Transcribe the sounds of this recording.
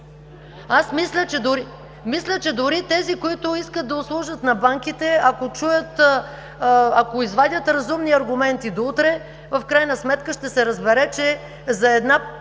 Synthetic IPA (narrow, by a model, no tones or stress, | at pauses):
asmislʲət͡ʃɛd̪ʊɾi | mislʲət͡ʃɛd̪ʊɾit̪ɛzikoit̪ʊiskət̪̚d̪ɐʊslˠuʒət̪nɐbaŋkit̪ɛakot͡ʃujət̪ | akoizvad̪ʲət̪ɾɐzumniɐɾɡʊmɛnt̪id̪out̪ɾɛ | vɐfkɾajnəsmɛt̪kəʃt̪ɛsɛɾəzbɛɾɛt͡ʃɛ | zɐɛd̪na